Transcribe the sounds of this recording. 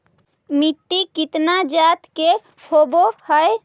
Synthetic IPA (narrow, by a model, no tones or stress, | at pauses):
mit̪ːikit̪nad͡ʒat̪ke | pʰobohəe